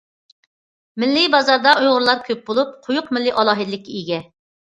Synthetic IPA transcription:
mɪlːɪbɑzɑɾd̪ɑʔujʁʊɾlˠɑɾkʲʰøp̚bolˠup̚qʰʊjʊqmɪlːɪʔɑlˠɑːɦɨd̪ɪlɪkʲːiiɡʲɛ

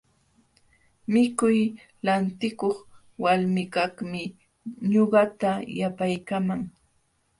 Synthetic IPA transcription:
mɪkʊj | lant̪ɪkoχ | walmɪkakmɪ | ɲoɢɑt̪ajapajkamaŋ

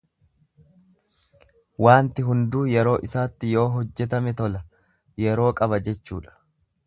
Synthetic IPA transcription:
waːnt̪ɪɦʊnd̪uːjɛɾo̞ːʔɪsaːt̪ːɪjo̞ːɦɔd͡ʒːɛt̪̬ɐmɛt̪ɔlɐ | jɛɾo̞ːkʼɐβɐd͡ʒɛt͡ʃːṵːᶑɐ̥

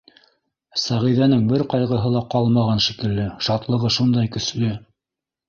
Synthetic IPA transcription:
sæʁiðænɘŋbɘɾqɑjʁɤ̆ɦɤlˠɑqɑlˠmɑʁɑnʃikɘ̆lːɘʃɑt̪lˠɤ̆ʁɤʃund̪ɑjkɵ̆slɘ

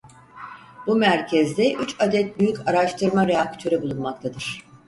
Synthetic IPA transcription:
bumæɾcʰɛzd̪ɛʔyt͡ʃad̪ɛt̪̚byjycaɾaʃt̪ʰɯɾmaɾeak̚t̪ʰø̞ɾibulˠunmakt̪ʰad̪ɯɾ̥

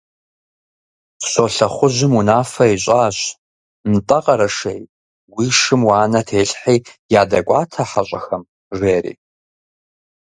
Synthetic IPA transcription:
ɕoːɬɐχʷʊʒɪmunaːfɐiɕʼaːɕ | nɨtʼɐqʼɐɾɐʂḛj | wiːʂɨmwaːnɐtʰeːɬħiːjaːdɐkʷʼaːtʰɐħaɕʼɐxɐm | reːɾḭː

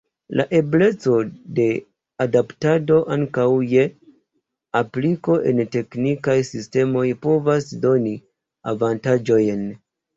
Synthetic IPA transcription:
lʔa̰ʔe̞ble̞t͡so̞de̞ | adaptado̞ʔaŋkawje̞ | apliko̞ʔe̞nte̞knikajsiste̞mo̞jpo̞vasdo̞ni | avantad͡ʒo̞jn

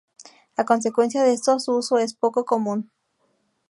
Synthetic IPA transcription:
akons̬ekwe̞nsjaðeest̪oasuusoespokokomũn

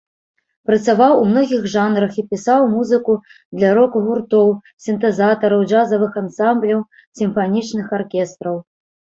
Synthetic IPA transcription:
pɾɐt̪savawumnɔɣʲiɣʐanɾɐxipʲisawmuzɨku | d̪lʲaɾɔkɣurt̪ɔw | sʲint̪ɛzat̪ɐɾɐwʐazɐvɨxansamblʲɐw | sʲimfanʲit͡ʂnɨxarkʲɛst̪ɾɐw

